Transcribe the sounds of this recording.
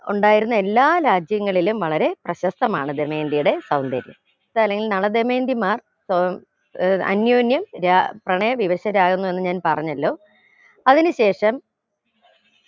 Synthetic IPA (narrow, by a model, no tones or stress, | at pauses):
uɳɖaːjiɾunːɐe̞lːaːɾaːd͡ʑjɐŋːɐɭilumʋɐɭɐɾe̞prɐɕɐst̪ɐmaːɳɨd̪eme̞ːnd̪ijuɽe̞sɐwnd̪ɐ̰ɾjɐ̰m | iðaːlːeŋɡilnɐɭɐd̪eme̞ːnd̪imaːr | so | ɐ̰njoːnjɐmɾaprɐɳɐjɐʋiʋɐɕɐɾaːɣunːue̞nːɨɲaːnpɐrɐɲːɐlːo̞ː | ɐðinɨɕe̞ːʂɐm